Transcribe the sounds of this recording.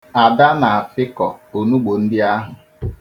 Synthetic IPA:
a˨da˦na˨a˨fɪ˦kɔ˨o˨nu˦ɡ͡bo˨n̩˦dɪ˦a˦ɦʊ˨

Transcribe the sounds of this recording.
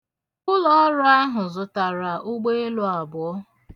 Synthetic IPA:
kʊ˦lɔ˦ɾʊ˦a˦ɦʊ˨zʊ˨ta˨ɾa˨ʔʊ˦ɡ͡be˦e˦lʊ˦a˨bʊ˨ɔ˦

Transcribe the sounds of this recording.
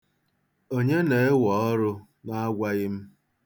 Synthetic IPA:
o˦ɲe˦ne˨ɪ˦wɔ˨ɔ˦ɾʊ˦ | na˦ɡʷa˦ɣɪ˦m̩˦

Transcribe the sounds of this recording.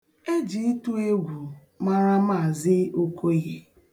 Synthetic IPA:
e˦d͡ʒi˨˦tu˦e˦ɡʷu˨ | ma˦ɾa˦ma˦˨zɪ˦o˦ko˦ɣe˦

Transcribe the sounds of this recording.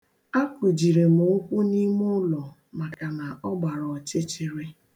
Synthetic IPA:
a˦kʷʊ˨d͡ʒi˨ɾe˨mʊ˨o˦kʷu˦ni˦mʊ˦lɔ˨ | ma˨ka˨na˨ɔ˦ɡ͡ba˨ɾɔ˨t͡ʃe˦t͡ʃɪ˨ɾe˦

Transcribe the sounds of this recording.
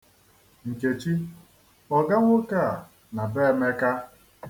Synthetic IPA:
ŋ̩˨ke˨t͡ʃi˦ | ɔ˨ɡa˦ŋʷʊ˦ka˦˨a˨ | na˨be˦me˦ka˦

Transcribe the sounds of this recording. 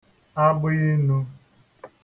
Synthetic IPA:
a˦bʊ˦ɣɪ˦nu˦

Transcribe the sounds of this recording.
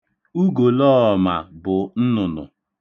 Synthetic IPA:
u˦ɡo˨lɔ˦˨ma˨bʊ˨n̩˦nʊ˨nʊ̰˨

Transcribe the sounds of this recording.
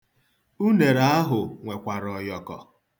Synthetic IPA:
u˦ne˨ɾa˦ɦʊ˨ŋʷe˨kʷa˨ɾɔ˨jɔ˨kɔ̰˨

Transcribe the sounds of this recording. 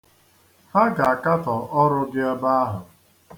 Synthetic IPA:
ha˦ɡa˨a˨ka˦tɔ˨ʔɔ˦ɾʊ˦ɡɪ˦ɛ˦ba˦a˦ɦʊ˨

